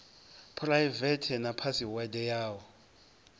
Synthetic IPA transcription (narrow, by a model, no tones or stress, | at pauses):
pʰlajvɛtʰɛnapʰasiwɛdɛjaːwɔ